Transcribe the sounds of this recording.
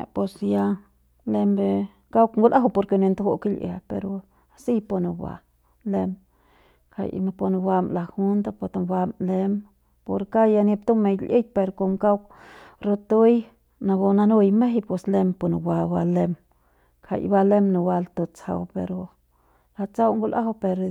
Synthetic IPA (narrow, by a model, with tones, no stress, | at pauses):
e˨pe˧sja˧ | le˧mbe˧ | ka˦wkŋɡu˦lʔa˦ɦu˧po˧ɾke˧ne˧nd̪ɡo˦ki˦lʔḛ˨pḛ˧ɾo˨ | a˧si˦po˧no˨wʷa̰˨ | le˧m | kʰa̰˨jna˧po˧n˧ba˧mla˧˨hu˦nd̪a˦pa˧˨t̪a˨ba˧mle˧m | po˧ɾka˦ja˧ni˧p̚t̪o˦me˧jlʔḭ˦j̚ʲpe˧ɾko˧mka˦wk | ɾo˧t̪o˦j | na˧bo˧na˧nu˦jme˦ɦjpwe˧sle˧mpo˧no˨wa˧ba˧le˧m | kʰa̰˨jba˧le˦mna˨wa˧lt̪o˧t͡sa̰˧wpḛ˧ɾo˧ | la˧t͡sa˦wŋɡu˧lʔa̰˦ɦpe˧ɾ